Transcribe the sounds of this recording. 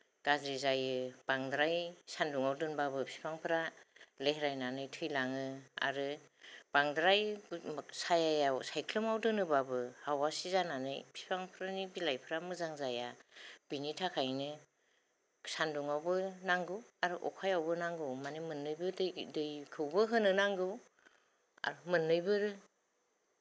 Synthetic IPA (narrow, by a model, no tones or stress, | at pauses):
ɡ̥azɾizajɯbaŋdɾajsanduŋawdɯnbabɯpʰi̥pʰaŋpʰɯɾaleɦɾajnanɯjtʰɯjlaŋɯa̰ɾɯb̥aŋdɾaj | sajajawsajkʰlɯmawdɯnɯbabɯhawasizananɯjpʰi̥pʰaŋpʰɾanibilajpʰɾamɯzaŋzajab̥initʰakʰajnɯ | sanduŋawbɯnaŋɡɯwaɾɯʔɔ̰kʰajawbɯnaŋɡɯwmanimɯnːɯjbɯddɯjkʰɯwbɯɦɯnɯnaŋɡɯw | a̰ɾɯmɯnːɯjbɯɾɯ